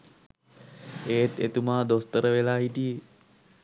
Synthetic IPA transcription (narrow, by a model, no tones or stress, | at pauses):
eːt̪et̪umaːd̪ost̪əɾəʋelaːɦiʈi